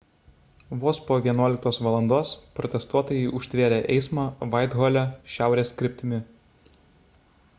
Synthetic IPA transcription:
ʋoːspoːʋʲiɛnuɔlʲɪkt̪oːsʋɐlˠɐnd̪oːspɾɔt̪ʲɛst̪uɔt̪oːjɛɪʔʊʃʲt̪ʲʋʲeːɾʲeːʔɛɪsmɑːʋɑɪd̪ɣɔlʲæʃʲæˑʊɾʲeːskʲɾʲɪpʲt̪ʲɪmʲɪ

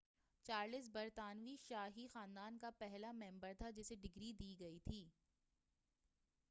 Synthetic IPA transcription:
t͡ʃaːɾlɪsbɐɾt̪aːnʋiʃaːɦixaːnd̪aːnkapɛɦlamɛ̃mbəɾt̪ʰad͡ʒɪseɖɪɡɾid̪iːɡɐit̪ʰiː

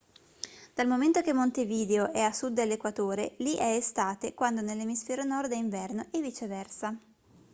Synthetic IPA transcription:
d̪̥almoment̪okemːont̪eviːd̪eoʔɛasud̪ːelːekwat̪oːɾeliʔɛːst̪aːt̪ekwand̪onelːemisfɛːɾonɔrd̪ɛiɱvɛrnoʔɛvit͡ʃevɛrsa

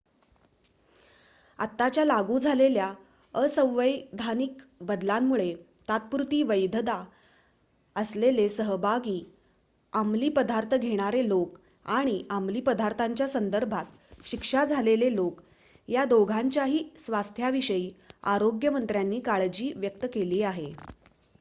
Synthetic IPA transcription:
a̰t̪ːat͡ɕjalaɡuːd͡zʱalelja | əsə̃w̃ʋəjd̪ʱanikbəd̪lamːuɭe | t̪at̪̚puɾt̪iːʋəjd̪ʱd̪a | əslelesəɦəbʱaɡiː | amliːpəd̪aɾt̪ʰəɡʱeɽ̃aɾelok | aɽ̃iamliːpəd̪ʱaɾt̪ʰaɲt͡ɕjasənd̪əɾbʱat̪ | ɕikʂad͡zʱalelelok | jad̪oɡʱaɲt͡ɕjaɦiːsʋast̪ʰjaʋiɕəiːaɾoɡjəmənt̪ɾjanːiːkaɭd͡ʑiːʋjək̚t̪əkeliːaɦe

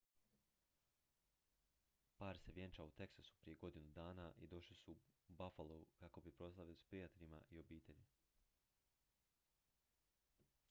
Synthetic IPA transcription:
paːɾse̞ʋje̞nt͡ʃaut̪e̞ksasu̥pɾije̞ɡo̞d̪inud̪aːnaʔid̪o̞ʃlisubafalo̞ukako̞bipɾo̞slˠaʋiospɾijat̪e̞ʎima̰ʔio̞biːt̪e̞ʎi

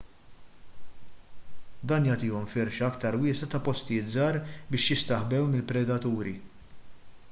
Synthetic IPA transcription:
d̪ɐːnjɐːt̪ɪːɔmfɪɾʃɐɐkt̪ɐɾwɪːsɐt̪ɐpɔst̪ɪjɪːt̪zɐːɾbɪːʃjɪst̪ɐħbɛwmɪlpɾɛd̪ɐt̪uːɾi

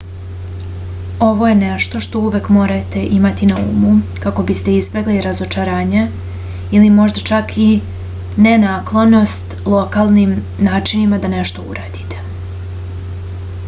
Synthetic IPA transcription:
o̞ʋo̞je̞neʃt̪o̞ʃt̪o̞uʋekmo̞ːɾat̪e̞ʔimat̪inaṵmukako̞bist̪e̞izbe̞ɡliɾazo̞t͡ʃaɾaːɲe | ilimo̞ʒd̪at͡ʃakʰi | nenaːklˠono̞st̪lˠo̞kaːlˠnim | naːt͡ʃinimad̪ane̞ʃt̪o̞ṵɾaːd̪̥i̥t̪e̥

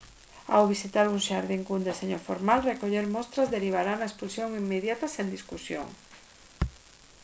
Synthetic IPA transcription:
awβisit̪aɾuŋʃaɾðiŋkund̪eseɲofoɾmalrekoʎeɾmɔst̪ɾazðeɾiβ̞aɾanaespulsjoŋimːeðjat̪asend̪iskusjo̰ŋ

